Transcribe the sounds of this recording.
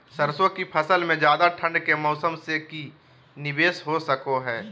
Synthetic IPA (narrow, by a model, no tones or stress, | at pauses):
səɾsõkipʰɐsəlmẽd͡ʒjaːd̪aʈʰə̃ɳɖkemɔːsəmseki | nɪbeːsɦosəkoɦɛː